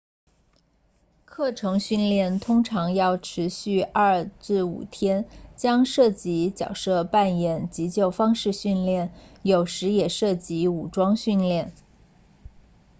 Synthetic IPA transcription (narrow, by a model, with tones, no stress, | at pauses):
kʰɤ˥˩ʈ͡ʂʰɤ˧˥ŋɕy˥˧nljɛ˥˩nt̪ʰʊ˥ŋʈ͡ʂʰɑ˧˥ŋjɑ˥˩ʊʈ͡ʂʰɻ̩˧˥ɕy˥˧ɐ˞˥˧ʈ͡ʂɻ̩˥˩ṵ˨˩t̪ʰjɛ˥nt͡ɕjɑ˥ŋʂɤ˥˩t͡ɕi˧˥t͡ɕjɑ̰˨˩ʊʂɤ˥˧pa˥˩njɛ˨˩˦nt͡ɕi˧˥t͡ɕjo˥˩ʊfɑ˥ŋʂɻ̩˥˧ɕy˥˧nljɛ˥˩njo˨˩ʊʂɻ̩˧˥jɛ˨˩ʂɤ˥˩t͡ɕi˧˥u˨˩ʈ͡ʂwɑ˥ŋɕy˥˧nljɛ˥˩n